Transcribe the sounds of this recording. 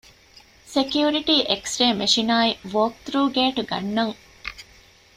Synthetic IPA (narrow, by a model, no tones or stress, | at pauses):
sekjuːɾiʈiːʔeksɾeːmeʂinaːiʋoːk̚t̪ɾuːɡeːʈuɡɐ̰nːɐŋ